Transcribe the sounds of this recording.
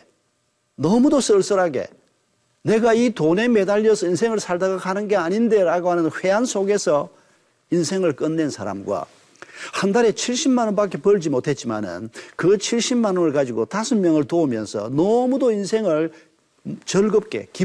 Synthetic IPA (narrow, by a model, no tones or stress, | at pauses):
nʌmudos͈ʌɭs͈ɯɾɦaɡḛ | ne̞ɡaitone̞medaʎːʌsʰʌinsʰe̞ŋɯɭsʰaɭdaɡakanɯnɡe̞aɲinde̞ɾaɡohanɯnɸwe̞ansʰoɡe̞sʰʌ | insʰe̞ŋɯɭk͈ɯnːe̞nsʰaɾa̰mɡwa̰ | handaɾe̞t͡ɕʰiɭɕ͈imːanɯpak͈ʰe̞pʌɭd͡ʑimotʰe̞t̚t͡ɕ͈ima̰nɯ̰nkɯt͡ɕʰiɭɕ͈immanɯnɯɭkad͡ʑiɡotasʰɯnmjʌŋɯɭtoɯmjʌnsʰʌ̰nʌmud̪oinsʰe̞ŋɯɭ | t͡ɕʌɭɡɯp̚k͈e̞̰ki